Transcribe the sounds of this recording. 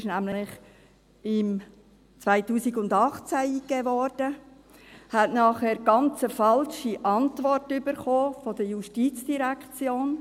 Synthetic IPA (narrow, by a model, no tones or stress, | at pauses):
ʃnæmlɪχ | ɪm | t͡sʋaɪtuːsiɡʊndɑχt͡sæiːɡɛvɔrd̥ə | hɛtnɑːχɛːɾɡ̥ɑnt͡səfɑlʃiʔɑntʋɔrtybəɾχoːfɔd̥əjuʃtiːt͡sd̥iɾækt͡sjoːn